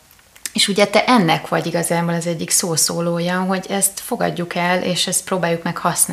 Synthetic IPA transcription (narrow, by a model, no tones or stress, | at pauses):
eːʃuɟɛt̪ɛʔɛnːɛkʋɒɟiɡɒzaːboːlɒzɛɟːiksoːsoːloːjɒɦo̞ɟɛst̪fo̞ɡɒ̰ɟːukɛleːʃɛst̪̚pɾoːbaːjukmɛkhɒsna